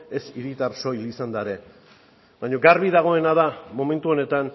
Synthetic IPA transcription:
e̞siɾit̪aɾso̞jlisand̪aeɾe̞ | βaɲo̞ɡaɾβiðaɣ̞o̞e̞naðamo̞mẽ̞nt̪uo̞ne̞t̪an

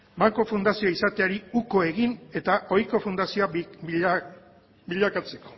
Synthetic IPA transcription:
baŋko̞fund̪asioisat̪eaɾiuko̞e̞ɣine̞t̪aʔo̞jko̞fund̪asioa | biʎakat͡se̞ko̞̥

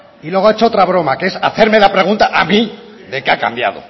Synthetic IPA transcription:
ilwe̞ɣ̞oaet͡ʃoot̪ɾaβ̞ɾo̞makee̞sa̰θe̞ɾme̞lapɾe̞ɣunt̪aʔamĩ | ðe̞keaka̰mbja̰ð̞o̰

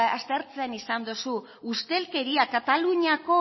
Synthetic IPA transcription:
ast̪e̞ɾt͡seanisand̪osu | ust̪e̞lke̞ɾiakat̪aluɲiako̞

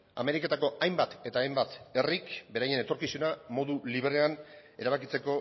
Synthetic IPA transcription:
a̰me̞ɾike̞t̪ako̞ajmbat̪e̞t̪aːjmbat̪e̞rikbe̞ɾaje̞ne̞t̪o̞ɾkisunamo̞ðuliβɾeane̞ɾaβ̞akit͡se̞ko̞

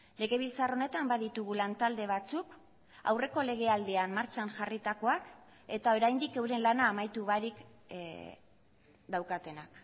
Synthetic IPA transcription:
le̞ɣe̞β̞ilt͡saro̞ne̞t̪ambaðit̪uɣulant̪ald̪e̞β̞at͡suk | a̰wre̞ko̞le̞ɣ̞e̞ald̪e̞anmːaɾt͡ʃanʝarit̪ako̞ak | e̞t̪ao̞ɾajnd̪ike̞wɾe̞nlanaːmajt̪uβaɾik | d̪awkat̪e̞nak

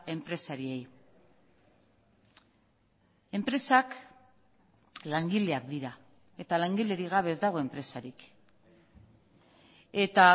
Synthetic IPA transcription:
e̞mpɾe̞saɾie̞j | e̞mpɾe̞sak | laŋɡile̞akd̪iɾa | e̞t̪alaŋɡile̞ɾiɣ̞aβ̞e̞zd̪aɣ̞o̞e̞mpɾe̞saɾik | e̞t̪a

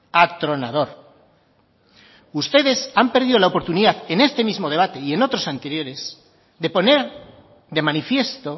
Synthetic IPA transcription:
at̪ɾo̞nað̞o̞ɾ | ust̪e̞ðe̞sampe̞ɾð̞iðo̞laopo̞ɾt̪uniðaðe̞ne̞st̪e̞mizmo̞ð̞e̞β̞at̪e̞ie̞no̞t̪ɾo̞sant̪e̞ɾjo̞ɾe̞z | ðe̞po̞ne̞ɾ | d̪e̞manifje̞st̪o̞

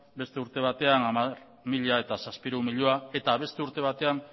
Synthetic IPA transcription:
be̞st̪e̞uɾt̪e̞β̞at̪e̞anamaɾ | miʎaet̪asaspiɾumiʎoae̞t̪aβ̞e̞st̪e̞uɾt̪e̞βat̪e̞an

